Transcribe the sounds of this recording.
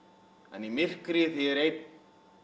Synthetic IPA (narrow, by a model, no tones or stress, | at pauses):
ɛ̰nimɪr̥kɾɪθiɾejt̪